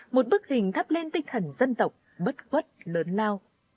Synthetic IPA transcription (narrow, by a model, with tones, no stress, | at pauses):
mo˨˩t̚ɓɨ˦˥k̚hï˨˩ŋ̟t̪ʰa˦˥p̚le˧nt̪ï˧ŋ̟t̪ʰə˨˩nzə˧nt̪ə˨˩wk͡p̚ɓə˦˥t̚kwə˦˥t̚ləː˨˦nlaː˧w